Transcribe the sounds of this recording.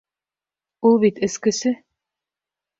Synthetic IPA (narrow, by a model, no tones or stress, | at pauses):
ulˠβit̪ɘ̆skɘ̆sɘ